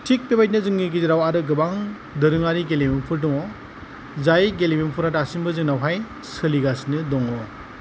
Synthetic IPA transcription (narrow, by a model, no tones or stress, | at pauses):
tʰik̚pebajt̚nɯzɯŋɡiɡiziɾawaɾɯɡɯbaŋ | dɯɾɯŋaɾiɡelimempʰɯɾd̬ɔŋɔ | zajɡelimempʰuɾataːsimbɯzɯŋnawɦaj | sɯliɡasnɯdɔŋɔ